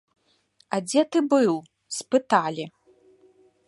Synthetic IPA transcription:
ad͡zʲetɨbɨl | spɨtʰalʲi

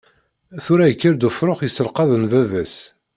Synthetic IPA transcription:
θʊɾæjəkːəɾd̪ufɾoχjəsəlqɑðənvævæs

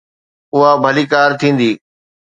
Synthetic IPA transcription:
ʊɦabʱɐliːkaːɾt̪ʰĩːn̆d̪iː

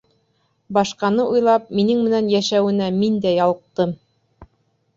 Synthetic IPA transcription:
bɑʃqɑnɤʔujlˠɑp̚minɘŋmɘ̆nænjæʃæwɘ̆næmind̪æjɑlˠɤ̆q̚t̪ɤm

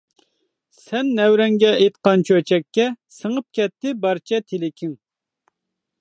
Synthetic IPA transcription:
sɛnːɛwɾɛŋɡʲɛʔet̪̚qɑnt͡ʃʰøt͡ʃʰɛkʲːɛsəŋəp̚kʲɛt̪ːɪbɑɾt͡ʃʰɛt̪ʰelɪkʲʰiŋ

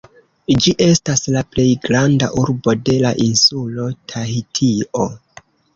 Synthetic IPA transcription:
d͡ʒiʔe̞staslaple̞jɡɾanda̰ʔuɾbo̞de̞laʔinsulo̞tʰaitʰiʔo̞

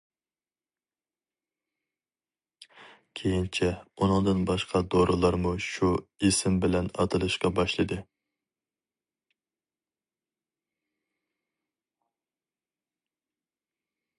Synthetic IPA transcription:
kʲʰejint͡ʃʰɛunɨŋd̪ɨnbɑʃqʰɑd̪oɾʔɨlˠɑɾmuʃuisɪmbɪlɛnɑ̰t̪ʰɨlˠɨʃqɑbɑʃlˠɨd̪ɨ

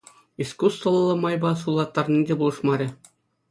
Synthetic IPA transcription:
iskust̪vɤ̆lˠːɤ̆mɑjbɑsulˠɑt̪ːɑrnʲidʲebulˠɤ̆ʂmɑɾʲɘ̆

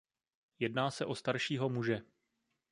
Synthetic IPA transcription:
jɛdnaːsɛʔo̞st̪aɾʃiːɦo̞muʒɛ

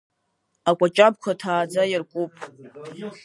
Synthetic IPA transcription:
akʷʼat͡ʃʼab̚kʷʰatʰaːd͡zajarkʷʼupʼ

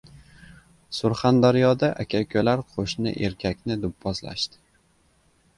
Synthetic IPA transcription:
sʊɾχand̪aɾjɒd̪aʔakʲʰakʰʲɵlaɾqʰoʃnɪ̰ʔe̞ɾkʲʰakʲnɪd̪ʊpʰːɒzla̰ʃt̪ɪ̥

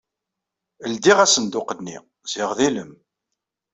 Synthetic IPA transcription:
əld̪iʁæsənd̪ʊqənnːḭ | z̥ɪʁðiləm

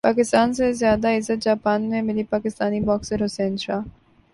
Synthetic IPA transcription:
pakɪst̪aːns̬ezjaːd̪aɪzɐt̪̚d͡ʒaːpaːnmemɪlipakɪst̪aːnibɔːkseɾosenʃa

